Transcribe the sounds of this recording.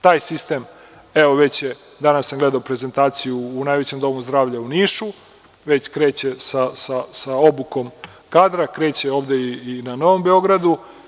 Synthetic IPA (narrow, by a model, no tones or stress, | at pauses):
t̪aːjsist̪em | eʋo̞ʋe̞t͡ɕje | d̪anasamɡle̞d̪aopɾe̞zent̪aːt̪sijuːnaːjʋet͡ɕe̞md̪o̞muzd̪ɾaːʋʎauniːʃu | ʋe̞t͡ɕkɾe̞ːt͡ɕe̞sasasaobuko̞m | kaːd̪ɾakɾe̞ːt͡ɕe̞o̞ːʋd̪eiinano̞ʋo̞mbe̞o̞ɡɾad̪u